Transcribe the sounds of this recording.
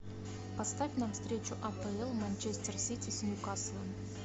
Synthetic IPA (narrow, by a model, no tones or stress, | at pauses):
pɐst̪avʲnamfst̪ɾʲet͡ɕʊʔɐpəɛlˠmanʲt͡ɕesʲt̪ʲɪrsʲit̪ʲɪsʲnʲjukasvˠən